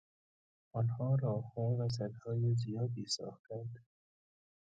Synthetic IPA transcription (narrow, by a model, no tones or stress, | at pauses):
ɒːnhɒːɾɒːhhɒːvæs̬æd̪hɒːjezijɒːd̪iːsɒ̰ːxt̪ænd̪